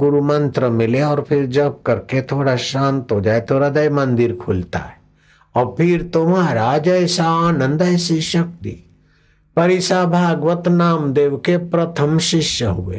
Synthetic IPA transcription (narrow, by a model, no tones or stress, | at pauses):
ɡʊɾumɐ̃nt̪ɾəmɪleɔːɾpʰɪɾd͡ʒɐb̚kɐɾket̪ʰoːɽaʃãːnt̪ɦod͡ʒaːet̪ʰoːɾɐd̪ɐjmɐ̃nd̪ɪɾkʰʊlt̪a̰ɦɛ | ɔːɾpʰɪɾt̪omaɾaːd͡ʒəjsaaːnə̃nd̪əjsiʃɐk̚t̪ḭ | pɐɾɪsabʱaːɡʋət̪naːmd̪eːʋkepɾɐt̪ʰəmʃɪʃjəɦʊḛː